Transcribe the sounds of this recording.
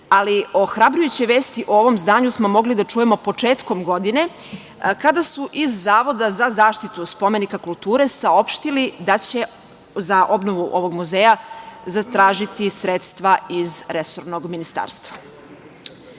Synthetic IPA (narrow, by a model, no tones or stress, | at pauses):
alio̞xɾabɾujut͡ɕeʋeːst̪iʔooʋo̞mzd̪aːɲusmo̞mo̞ɡlid̪at͡ʃuje̞mo̞po̞t͡ʂeːt̪ko̞mɡo̞d̪ine̞ | kad̪asuʔizːaːʋo̞d̪azazaːʃt̪it̪uspo̞me̞nikakulˠt̪uːɾe̞sao̞pʃt̪ilid̪at͡ɕe̞ | zaʔo̞bno̞ʋuʔo̞ʋo̞ɡmuzeːjazat̪ɾaːʒit̪isɾet̪st̪ʋaizɾesoɾno̞ɡminist̪a̰ːɾst̪ʋa